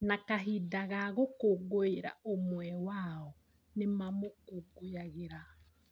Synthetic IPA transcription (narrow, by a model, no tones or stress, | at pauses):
nakaɦidaɣaɣokoɡoiɾa̰omwɛwaɔ | nemamokoɡojaɣeɾa